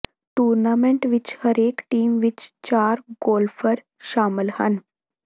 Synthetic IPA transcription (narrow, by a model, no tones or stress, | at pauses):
ʈuːɾnaːmẽɳʈʋɪt͡ʃhəɾeːkʈiːmʋɪt͡ʃt͡ʃaːɾɡoːlfʰəɾ | ʃaːmɪlhən